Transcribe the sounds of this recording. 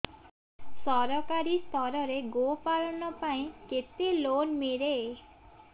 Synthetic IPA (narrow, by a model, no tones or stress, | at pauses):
sʌɾʌkaɾist̪ʰʌɾʌɾeɡopalnʌpaĩket̪elonmeɾe